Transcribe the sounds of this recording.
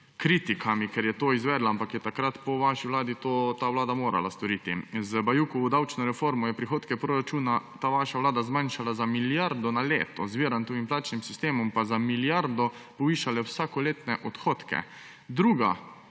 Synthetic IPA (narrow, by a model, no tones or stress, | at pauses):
kɾiːt̪ikʰamikɛɾjɛt̪oːizʋɛːd̪laampakjɛt̪akɾat̪pɔʋaʃiʋlaːd̪it̪oːt̪aːʋlaːd̪amoːɾa̰la̰st̪ɔɾiːt̪ḭzbajuːkɔud̪awt͡ʃnɔɾɛfoːɾmɔjɛpɾixoːt̪kɛpɾoɾat͡ʃuːnat̪aːʋaʃaʋlaːd̪azmanʃalazamiljaɾd̪ɔnalḛːt̪ɔzʋiːɾant̪oʋimplaːt͡ʃnimsist̪eːmɔmpazamiljaɾd̪ɔ | pɔʋiːʃalɛwsaːkɔleːt̪nɛʔɔt̪xoːt̪kɛ̰ | d̪ɾuːɡa̰